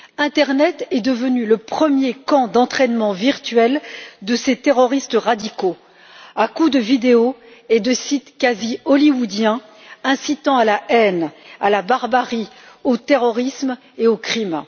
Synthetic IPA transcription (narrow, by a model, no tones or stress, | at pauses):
ɛ̃t̪ɛʁnɛt̪ɛd̪əvənyləpχəmjekɑ̃d̪ɑ̃t̪χɛnmɑ̃viʁt̪ɥɛld̪əset̪eʁɔʁist̪əʁad̪iko | akud̪əvid̪eoed̪əsit̪kʲaziɔliwud̪jɛ̃ | ɛ̃sit̪ɑ̃alaɛnalabaʁbaʁi | ot̪eʁɔʁism | eokχim